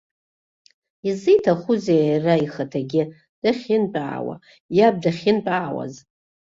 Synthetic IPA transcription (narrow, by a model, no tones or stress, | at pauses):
izijtʰaχuzejraiχatʰaɡʲɪ | d̥aχʲɪnpʼa̰ːwa̰ | jab̚daχʲɪnpʼaːwa̰z